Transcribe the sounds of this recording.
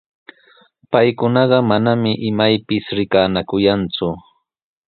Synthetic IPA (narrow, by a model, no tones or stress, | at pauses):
pajkʊnɑɢɑmanamɪʔɪmajpɪsɾɪkaːnakʊjant͡sʊ